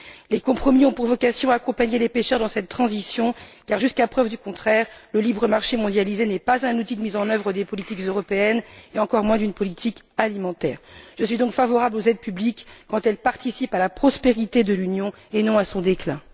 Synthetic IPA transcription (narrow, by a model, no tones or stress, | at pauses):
lekɔ̃pχɔmiɔ̃puʁvɔkasjɔ̃aːkɔ̃paɲelepeʃœʁd̪ɑ̃sɛt̪ːχɑ̃zisjɔ̃kaʁʒyskapχœvd̪ykɔ̃t̪χɛʁləlibʁəmaʁʃemɔ̃d̪jalizenɛpazɛ̃nut̪id̪əmizɑ̃nœvʁəd̪epɔlit̪ikzøʁɔpeɛneɑ̃kɔʁmwɛ̃d̪ynpɔlit̪ʰikalimɑ̃t̪ɛ̰ːʁʒ̥əsɥid̪ɔ̃kfavɔʁablozɛd̪̚pyblikːɑ̃t̪ɛlpaʁt̪isipalapχɔspeʁit̪ed̪əlynjɔ̃ | enɔ̃asɔ̃d̪eklɛ̃